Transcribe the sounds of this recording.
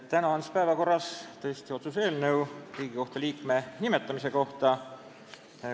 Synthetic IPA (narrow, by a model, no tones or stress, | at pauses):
t̪ːænɑɑnspæevɑko̞rːɑst̪ɤest̪io̞t̪sus̬e̞ːlnɤwriːɡ̥iko̞ht̪ɑliːkme̞nimet̪ːˑɑmise̞ko̞ht̪ɑ